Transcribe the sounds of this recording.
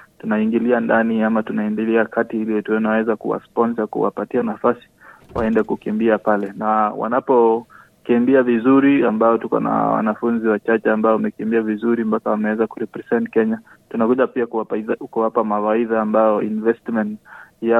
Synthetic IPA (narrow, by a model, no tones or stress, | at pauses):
tunaiŋɡiliandaniamatunaindiliakʰatiiliwɛtuɛnawɛzakuwa̰spɔnsakṵwa̰patianafasi̥ | wa̰ɛndɛkukimbiapalɛnawa̰napɔ | kimbiavizuɾiambaɔtukɔ̰na̰wa̰nafunziwat͡ʃat͡ʃɛambaɔamɛkimbiavizuɾimpakawamɛwɛzakuɾɛpɾɛsɛntkɛɲa | tunakuʄapiakuwapamawaiðaːmbaɔinvɛstmɛntja